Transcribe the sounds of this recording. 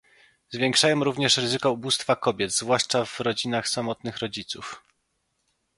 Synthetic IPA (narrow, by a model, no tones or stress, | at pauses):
zvʲjɛŋkʂajɔ̃mɾuvɲɛʂɾɘzɘkɔubust̪fakɔbʲjɛd̪zvwaʂt͡ʂavɾɔd͡ʑinaxsamɔt̪nɘxɾɔd͡ʑit̪suf